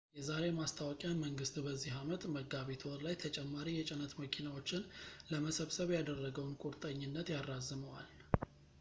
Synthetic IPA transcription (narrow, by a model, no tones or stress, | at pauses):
jɛzaɾe̞mast̪ʰawɔkʼjanməŋɡɨst̪bəzːiɦamət̪ʼməɡaβet̪ʰwɔɾlajt̪ʰət͡ʃʼɛmːaɾijɛt͡ʃʼɪnət̪məkʰinawo̞t͡ʃːɪnləməsəβsəβjad̪ərːəɡəwnkʼuɾt̪ʼəɲːɪnːət̪jarːazːɨməwal